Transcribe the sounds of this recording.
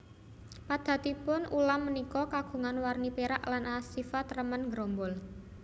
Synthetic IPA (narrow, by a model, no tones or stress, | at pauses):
pad̪̥ä̤t̪ipʊnʔulamːənikɔkaɡ̥ṳŋanwarnipeɾaʔlanʔasːifat̪rəmənŋɡɾombʊl